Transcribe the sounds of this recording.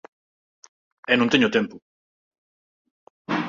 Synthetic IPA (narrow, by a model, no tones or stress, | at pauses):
enũnt̪eɲot̪empu